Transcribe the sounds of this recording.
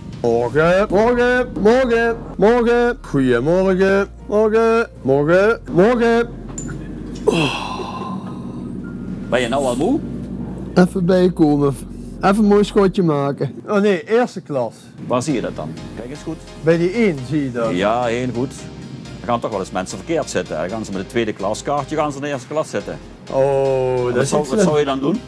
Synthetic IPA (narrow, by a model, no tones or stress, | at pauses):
mɔrɣəmɔrɣəmɔrɣəmɔrɣəxuəmɔrɣə | mɔrɣəmɔɹɣəmɔrɣə | o | bɛnjənawalˠmuː | ɛfəbɛjkoːməɛfənmojskocəmaːkəoːneːʔeːrstəklɑs | ʋaːrzijədɑt̚dɑ̰nkɛjkənsxut | bɛjdiinzijədɔjaːeːlˠɣutəɣaːntɔxʋɛlˠɪsmɛnsəvərkɪːrtsɪtəɛ̰ɣaːnzəmɛtdətʋeːdəklɑskɑrtjəɣaːnzədəɪːstə̥klɑsɪtə̰ | ʔodssɔwjədɑndun